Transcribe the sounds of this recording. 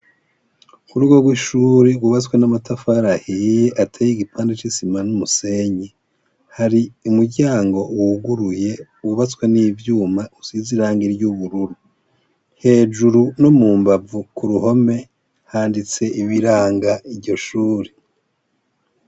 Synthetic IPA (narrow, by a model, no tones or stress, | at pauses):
kuɾuɡo̞ɡwiʃuːɾiɡuβat͡skwenamatafaɾahijeʔatʰajiɡipʰaːndet͡ʃisimanumuseɲi | haɾiumuɾɟaːŋɡo̞wuɡuɾuje̞ | wuβat͡skweniːvjuːmausiziɾaːŋɡiɾjuβuɾuɾu | he̞ːd͡ʒuɾunomuːmbavukuɾuho̞me̞ | haːndit͡se̞ʔiβiɾaːŋɡaiɾɟo̞ʃuːɾe